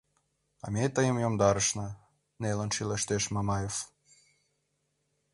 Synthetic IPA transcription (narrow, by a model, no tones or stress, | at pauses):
ɑ̰met̪əjəmjomd̪ɑɾəʃnə̆ | nelə̆nʃileʃt̪eʃmɑmɑjef